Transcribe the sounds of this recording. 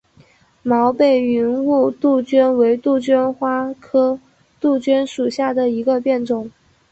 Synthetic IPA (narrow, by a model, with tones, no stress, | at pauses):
mɑ˧˥ʊpe˨˩ɪy˧˥nu˥˧t̪u˥˩t͡ɕɥɛ˥nwe˧˥ɪt̪u˥˩t͡ɕɥɛ˥nxwa˥kʰɤ˥ | t̪u˥˩t͡ɕɥɛ˥nʂu˨˩ɕja˥˩d̪ə˩i˧˥ɡə˧pjɛ˥˩nʈ͡ʂʊ˨˩˦ŋ